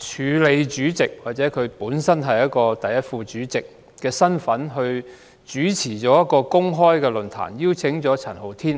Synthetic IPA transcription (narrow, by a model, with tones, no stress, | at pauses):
t͡ʃʰyː˨˧le˨˧jt͡ʃyː˨˥t͡sɪ˨k̚waː˨t̚t͡sɛː˨˥kʰɵ˨˧ɥpuː˨˥nsɐ˥nɦɐ˨jɐ˥t̚kɔː˧t̪ɐ˨jːɐ˥t̚fuː˧t͡ʃyː˨˥t͡sɪ˨k̚ː | ɛː˧sɐ˥nfɐ˨˥nɦɵ˧ɥ | t͡ʃyː˨˥t͡sʰiː˨˩t͡sɔː˨˥jɐ˥t̚kɔː˧kʊ˥ŋɦɔː˥jkɛː˧lɵ˨˩nt̪ʰa̰ː˨˩njiː˥wt͡sʰɪ˨˥ŋt͡ʃɔː˨˥t͡sʰɐ˨˩nho˨˩wt̪ʰiː˥n